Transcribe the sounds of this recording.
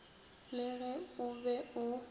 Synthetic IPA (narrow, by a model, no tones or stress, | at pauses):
lɪɣɛʊbɛʊ